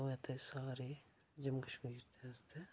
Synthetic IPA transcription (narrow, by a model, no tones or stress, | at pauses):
ɐt̪esaːɾe | d͡ʒɐmkɐʃmiːɾt̪eɐzt̪e